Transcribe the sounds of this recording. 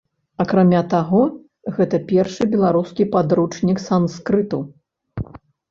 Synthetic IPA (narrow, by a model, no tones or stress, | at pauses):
ɐkɾamʲat̪aɣɔ | ɣɛt̪ɐpʲɛrʂɨbʲɛlˠaɾuskʲipad̪ɾut͡ʂnʲiksanskɾɨt̪u